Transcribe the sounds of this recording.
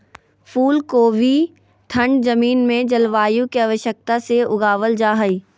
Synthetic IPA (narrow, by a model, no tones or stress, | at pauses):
pʰuːlkoːʋi | t̪ʰə̃ɳɖzɐmiːnmẽd͡ʒɐlʋaːjũkeaʋəʃjək̚t̪aseʊɡaːʋəld͡ʒaːɦəiː